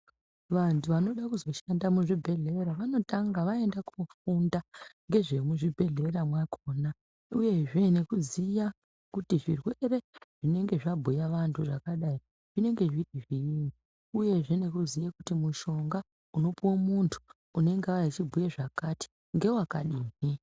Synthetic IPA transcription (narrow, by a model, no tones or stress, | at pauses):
ʋantʰuʋano̞ɗakuzo̞ʃandamuʐibʱe̞ɮe̞ɾaʋano̞taŋɡaʋae̞ndakufundaŋɡe̞ʐemuʐibʱe̞ɮe̞ramwakʰoːna | uje̞ʐe̞ne̞kuzija | kutiʐirwe̞ɾe̞ʐ̥ine̞ŋɡe̞ʐabʱujaʋantʰuʐakaɗai | ʐ̥ine̞ŋɡe̞ʐitiʐijini | uje̞ʐe̞ne̞kuzijakutimuʃo̞ŋɡa | uno̞piwomuntʰu̥ː | ne̞ŋɡeat͡ʃibʱujeʐakati̥ | ŋɡe̞wakaɗiːni